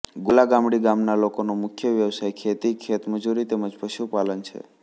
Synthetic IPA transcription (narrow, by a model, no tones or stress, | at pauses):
ɡulaɡamɽiɡamnalokonomʊkʰjəʋjəʋsajkʰet̪ikʰet̪məd͡ʒuɾit̪eməd͡ʒpəʃupalənt͡ʃʰḛ